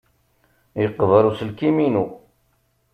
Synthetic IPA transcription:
jəqːəvəɾˤusəlkiminu

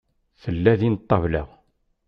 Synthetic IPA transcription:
θəlːæðinət̪ˤːɑvlæ̰

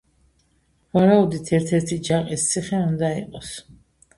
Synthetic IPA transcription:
vaɾaud̪it̪ʰɛɾt̪ʰɛɾt̪ʰid͡ʒaqʼist̪sʰiχɛund̪aḭqʼɔs

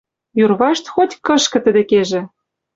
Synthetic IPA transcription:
jurβɑʃt̪xotʲkɤ̆ʃkɤ̆t̪ə̆d̪ĕkeʒĕ

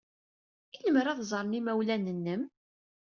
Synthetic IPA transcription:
iləməɾæðzˤɾˤnimæwlænənːəm

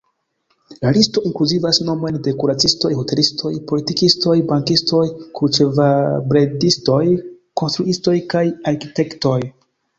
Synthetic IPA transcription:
lalisto̞ʔiŋkluzivasno̞mo̞jnde̞kuɾat͡sisto̞jɦo̞te̞listʰo̞jpo̞litikisto̞jbaŋkisto̞jkut͡ʃevabɾedisto̞j | ko̞nstɾuʔisto̞jkajaɾkite̞kto̞j

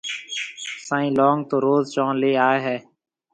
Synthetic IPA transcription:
sãːĩːlɔːŋɡt̪oːɾoːzt͡ʃɔ̃ːnleːaːeːɦɛː

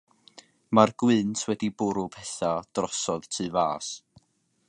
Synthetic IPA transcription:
marɡ̥wɨntʰwɛdibʊɾʊpʰɛθad̥rɔsɔðtʰɨvaːs

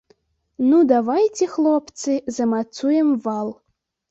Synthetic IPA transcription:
nud̪avajt͡sʲɛxlˠoɔpt̪sɨzɐmat̪sujɛmvalˠ

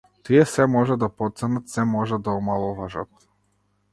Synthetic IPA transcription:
t̪iɛsɛmɔʒad̪apɔt̪sɛnat̪sɛmɔʒad̪aɔmalˠɔvaʒat̪̚

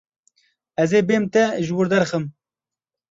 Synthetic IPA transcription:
ɛzeːbeːmt̪ɛʒɨwʊɾd̪ɛɾxɨm

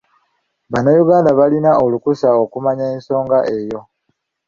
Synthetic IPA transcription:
βanajuɡaːndaβalinao̞lukusao̞kumaɲaeːnso̞ːŋɡaʔe̞jo̞

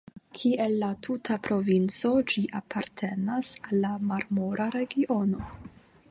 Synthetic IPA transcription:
kʰiʔe̞lːatʰutʰapɾo̞vint͡so̞d͡ʒiʔapʰaɾtʰenasalːamaɾmo̞ɾʔaɾe̞ɡiʔo̞no̞

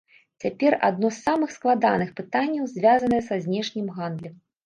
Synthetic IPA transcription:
t͡sʲapʲɛra̰d̪nɔsːamɨxsklˠad̪anɨxpɨt̪anʲːɐwzʲvʲazɐnɐjɛsazʲnʲɛʂnʲimɣand̪lʲɛm

